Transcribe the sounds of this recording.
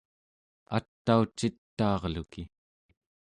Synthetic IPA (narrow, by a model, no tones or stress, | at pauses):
a̰t̪ːaut͡ʃːit̪ːɑːʁluki